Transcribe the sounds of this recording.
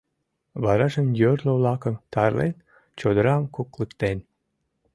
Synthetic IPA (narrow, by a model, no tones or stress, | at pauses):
βɑɾɑʒənjørlovlˠɑkəmt̪ɑɾlḛn | t͡ɕod̪əɾɑmkoklɨkt̪en